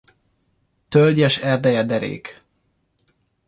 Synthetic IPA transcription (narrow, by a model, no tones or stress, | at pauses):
t̪ølɟɛʃɛrd̪ɛjɛd̪ɛɾḛːk